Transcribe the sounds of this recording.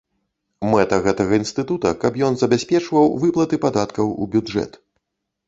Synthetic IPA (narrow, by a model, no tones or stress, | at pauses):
mɛt̪ɐɣɛt̪ɐɣɐinst̪ɨt̪ut̪ɐ̰kɐpjɔnzɐbʲasʲpʲɛt͡ʂvɐwvɨplˠɐt̪ɨpad̪at̪kɐwṵbʲud͡ʐɛ̰t̪